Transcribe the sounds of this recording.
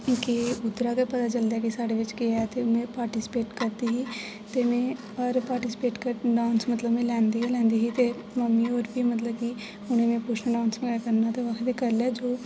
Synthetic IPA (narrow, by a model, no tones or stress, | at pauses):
keʊd̪ɾaːkapət̪aːt͡ʃəld̪ɛːkisaːɖeːʋɪt͡ʃkɪat̪eːʊmẽːpaːɾʈisɪ̥peːʈkəɾd̪iːɦiː | t̪emẽː | əɾpaːɾʈiːsɪ̥peːʈkəɖãːnsmət̪ləbmẽːlɛ̃ːnd̪iːɛlɛ̃ːnd̪iːɦiːt̪eː | məmːiːoːɾbiːmət̪ləb̚ki | ʊnẽːnẽːpʊt͡ʃʰnəɖãːnsmẽakəɾnaːt̪eʋəkʰd̪ekəlɛːd͡ʒoː